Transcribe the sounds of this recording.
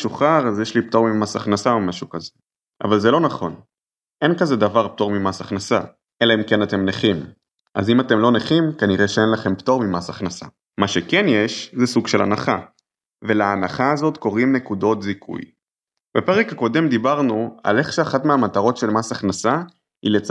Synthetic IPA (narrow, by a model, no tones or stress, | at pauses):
ʃuχaʁazjeʃlipto̞ʁmimasaχnasaomaʃukaze | ʔa̰valzelo̞naχo̞̰n | ʔe̞nkazed̪avaʁp̚to̞ʁmimasaχnasa̰ | ʔelaimke̞nate̞mneχim | ʔa̰zimate̞mlo̞neχimkaniʁeʃeenlaχe̞mpto̞ʁmimasaχnasa̰ | maʃekenjeʃzesuɡʃe̞la̰na̰χa | ve̞laːnaχaːzo̞t̪ko̞ʁimne̞kudo̞tzikʰṵj | b̥epeʁekako̞de̞md̪ibaʁnua̰le̞χʃeaχatmeamat̪aʁo̞tʃe̞lmasaχnasa | ḭlet͡s